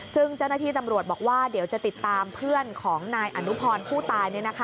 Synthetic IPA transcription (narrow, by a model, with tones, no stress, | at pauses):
sɯ˥˩ŋt͡ɕa˥˩wnaː˥t̪ʰiː˥˩t̪a˧mɾu˨˩ət̪̚bɔː˨˩k̚waː˥˩diː˩˦wt͡ɕa˨˩t̪i˨˩t̪ːaː˧mpʰɯ˥˩ənkʰɔː˩˦ŋnaː˧jʔa˧˩nu˦˥pʰɔː˧npʰuː˥˩t̪aː˧jni˥˩na˦˥kʰa˦˥